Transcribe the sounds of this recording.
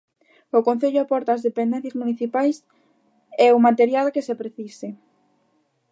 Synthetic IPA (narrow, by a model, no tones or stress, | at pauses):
ʊkon̟θeʎʊapɔɾt̪aːzðepend̪ɛn̟θjasmuniθipajs | eumat̪eɾjalkesepɾeθise